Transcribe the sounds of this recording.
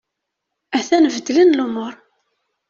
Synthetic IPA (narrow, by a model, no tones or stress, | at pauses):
æθænvəd̪ːlənlumʊɾˤ